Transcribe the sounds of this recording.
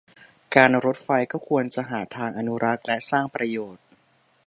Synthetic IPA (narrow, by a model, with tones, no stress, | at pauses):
kaː˧nɾo˦˥t̪̚fa˧jkɔː˥˩kʰu˧ənt͡ɕa˨˩ʔɦaː˩˦t̪ʰaː˧ŋʔa˧nu˦˥ɾʔa˦˥k̪̚lɛ˦˥saː˥˩ŋpɾa˧joː˨˩t̪̚